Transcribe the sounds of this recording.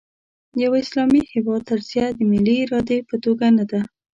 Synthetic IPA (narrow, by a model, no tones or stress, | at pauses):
jawaɪslɑmihɪwɑd̪̚t̪əɾzjad̪əmɪliːɾɑd̪epət̪oɡanad̪a